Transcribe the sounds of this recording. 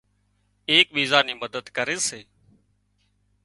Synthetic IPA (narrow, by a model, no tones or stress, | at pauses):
eːk̚ɓiːzaːniːməd̪əd̪kəɾeːseː